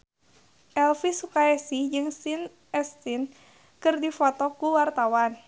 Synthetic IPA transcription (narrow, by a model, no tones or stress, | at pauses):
ʔɛlfisukaɛsid͡ʒɨŋsin | ɛst̪in | kɨrdifɔt̪ɔkuwart̪awan